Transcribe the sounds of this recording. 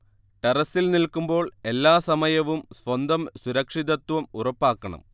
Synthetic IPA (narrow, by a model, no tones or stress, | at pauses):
ʈerɐsːilnilkːumbo̞ːɭe̞lːaːsɐmɐjɐʋumsʋɐnd̪ɐmsuɾɐkʂiðɐt̪ʋɐmurɐpːaːkːɐɳɐ̰m